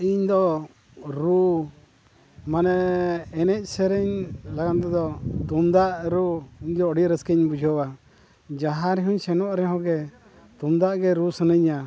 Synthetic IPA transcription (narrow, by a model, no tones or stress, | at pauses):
iɲd̪ɔ | ɾu | manɛɛnɛc̚ˀsɛɾəɲlaɡant̪ɛd̪ɔt̪umd̪aʔɾuiɲd̪ɔːɽiɾəskɛɲbud͡ʒʱɔwa | d͡ʒaɦaɾɛɦuɲsɛnɔʔɾɛɦɔ̃ɡɛ | t̪umd̪aʔɡɛɾusənəɲa